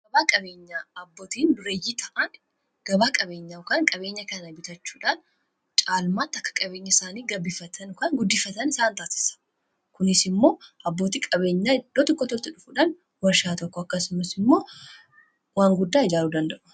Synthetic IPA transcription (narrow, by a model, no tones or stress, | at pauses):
ɡɐbaːkʼɐbe̞ːɲːaːɐbːoːt̪iːnɾejit̪ʰɐʔɐn | ɡ̥ɐbaːkʼɐbe̞ːɲːaʊkɐŋkʼɐbe̞ːɲːɐkɐnɐbɪt̪ɐt͡ʃːu̥ːᶑaːn | t͡ʃʼaːlmaːt̪ːɐkːɐ̥kʼɐbe̞ːɲːɐɪsaːniːɡɐbːɪfɐt̪ʰɐnkɐnɡʊd̪ːɪfːɐt̪ɐnɪsaːnt̪aːsɪ̥sɐ̥ | kʊnɪsɪmːo̞ːʔɐbːo̞ːt̪iːkʼɐbe̞ːɲːaːd̪ot̪ɔkːɔt̪ɔlt̪ɪᶑʊfuᶑɐn | wɐɾʃaːt̪ɔkːɔɐkːɐsʊmɐsɪmːo̞ː | waːŋɡʊd̪ːaːɪd͡ʒaːluːd̪ɐnd̪ɐʔʊ̥